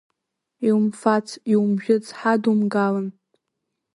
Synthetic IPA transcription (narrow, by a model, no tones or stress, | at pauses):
iwmfat͡sʰiwmʒᶣɪt͡sʰħadumɡalɨn